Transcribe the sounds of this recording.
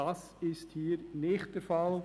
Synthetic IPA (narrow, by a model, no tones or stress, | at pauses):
ɑs | ɪsthiːɾnɪχt̚d̥ɛɾfɑl